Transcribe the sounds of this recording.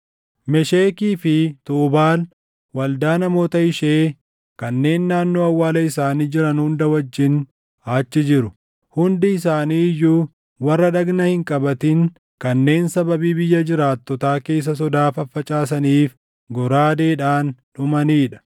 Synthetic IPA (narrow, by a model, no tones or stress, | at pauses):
mɛʃeːkiːfɪt̪uːbaːl | wɐld̪aːnɐmo̞ːt̪ɐɪʃeː | kɐnːe̞ːnːaːnːo̞ːɐwːaːlɐɪsaːniːd͡ʒɪɾɐnhʊnd̪ɐwɐd͡ʒːɪn | ɐt͡ʃːɪd͡ʒɪɾʊ | hʊnd̪ɪɪs̬aːniːɪjːuː | wɐrːɐᶑɐɡnɐhɪŋkʼɐbɐt̪ɪŋ | kɐnːe̞ːnsɐbɐbiːbɪjːɐd͡ʒɪɾaːt̪ːɔt̪aːke̞ːs̬ːɐs̬ɔd̪aːfɐfːɐt͡ʃʼaːs̬ɐniːf | ɡɔɾaːd̪e̞ːᶑaːnᶑʊmɐniːᶑɐ̥